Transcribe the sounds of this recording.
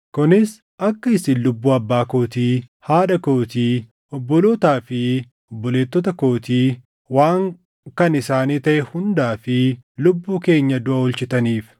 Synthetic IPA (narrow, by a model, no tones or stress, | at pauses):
kʊnɪs | ʔɐkːɐɪsinlʊbːuːɐbːaːko̞ːt̪iːhaːᶑɐkoːt̪iː | ʔɔbːɔloːt̪aːfɪ | ɔbːɔleːt̪ːɔt̪ɐko̞ːt̪iː | waːŋ | kɐnɪsaːniːt̪ɐʔɛhʊnd̪aːfɪlʊbːuːke̞ːɲːɐd̪ʊʔɐʊlt͡ʃɪt̪ɐniːf